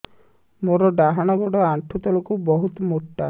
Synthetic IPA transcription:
moɾɔɖaɦaɽ̃ɔɡɔɽɔaɳʈʰut̪ɔlɔkubɔɦut̪ɔmoʈːa

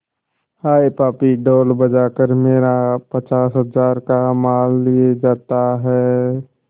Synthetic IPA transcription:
haːepaːpiɖoːlbəd͡ʒakəɾmeːɾapət͡ʃaːsɦəzaːɾkamaːlːied͡ʒaːt̪aɦɛː

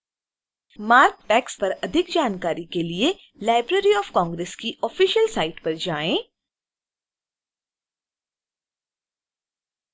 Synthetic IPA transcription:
maːɾk̚ʈɛːkspɐɾɐd̪ʱɪkd͡ʒaːnkaːɾikelie | laːɪbɾeːɾiɔːfkɔ̃ːŋɡɾeːskiɔfiːʃəlsaːɪʈpɐɾd͡ʒaːẽː

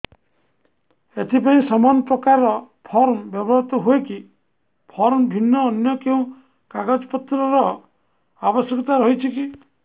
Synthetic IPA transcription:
et̪ʰipaĩsɔmanɔpɾɔkaɾɔ | pʰɔɾmbjɔbɔɾt̪ɔɦueki | pʰɔɾmbʱinːɔːnjɔkeũ | kaɡad͡ʒɔpɔt̪ɾɔɾɔ | abɔsjɔkɔt̪aɾɔɦit͡ʃʰiki

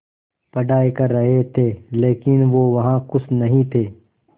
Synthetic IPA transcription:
pɐɖaːekɐɾːɐɦet̪ʰeːleːkɪnʋoːʋɐɦãkʊsnɐɦĩt̪ʰeː

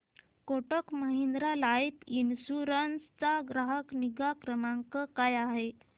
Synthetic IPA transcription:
koʈəkməɦind̪ɾalajpinɕuɾənst͡saɡɾaɦəkniɡakɾəmaŋkəkajaɦe

